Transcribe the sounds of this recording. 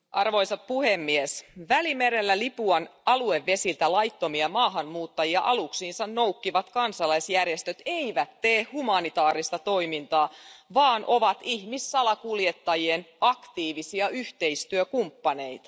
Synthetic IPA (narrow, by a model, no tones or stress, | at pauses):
ʔɑrʋo̞isɑt̪̚puhemːiesʋælimeɾelːælipuɑnɑlueʋːe̞silt̪ælɑjt̪ːo̞miɑmɑːɦɑnmuːt̪ːɑjiɑʔɑluksiːnsɑnnoukːiʋɑt̪kɑnsɑlɑisjærjest̪øt̪eiʋæt̪teːhhumɑnit̪ɑːɾist̪ɑt̪o̞imint̪ɑːʋɑːnʔoʋɑt̪ihmisːɑlɑkuljet̪ːɑjienɑkt̪iːʋisiɑyht̪e̞ist̪yøkumpːɑnejt̪ɑ̥